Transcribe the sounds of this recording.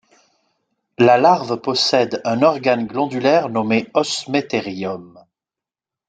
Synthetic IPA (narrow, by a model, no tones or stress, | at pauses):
lalaʁvpɔsɛd̪ɛ̃nɔʁɡanɡlɑ̃d̪ylɛʁnɔmeɔsmet̪eʁijɔm